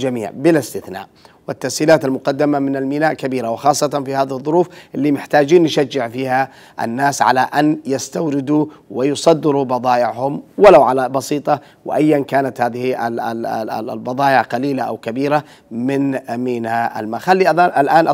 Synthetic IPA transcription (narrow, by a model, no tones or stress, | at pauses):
d͡ʒamḭːʕbɪlɪst̪ɪθna̰ːʔ | wɪt̪ːasiːlaːt̪almʊqɑd̪ːamamɪnalmiːnaːʔkabiːɾawɪxɑːsˤːɑt̪ˤɑnfihaːðɪhɨðˤːʊɾuːfʔɪlːimɪħt̪aːd͡ʒiːnnʃad͡ʒːɪʕfiːha | ʔa̰nːaːsʕa̰laʔanjast̪awɾɪd̪uwɪjʊsˤɑd̪ːɪɾubɑðˤɑːʔɪʕhʊmwalawʕalabɑsiːt̪ˤɑ | wɪ̰ʔajːankaːnat̪haːðɪhiʔaalbɑðˤɑːʔɪʕqɑliːlaʔa̰wkabiːɾa | mɪnmiːnhaʔa̰lmaxalːiʔaaːʔalʔaːnʔ